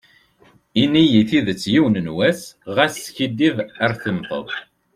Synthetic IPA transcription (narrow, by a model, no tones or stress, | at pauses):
inːijiθiðət͡sːjiwnənwæsʁæsːçid̪ːivæɾθəmθˤə̰ðˤ